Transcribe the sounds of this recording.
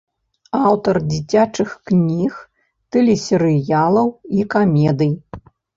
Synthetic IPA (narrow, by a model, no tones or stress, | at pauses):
awt̪ɐrd͡zʲit͡sʲat͡ʂɨxknʲix | t̪ɛlʲisʲɛɾɨjalˠɐwikamʲɛd̪ɨj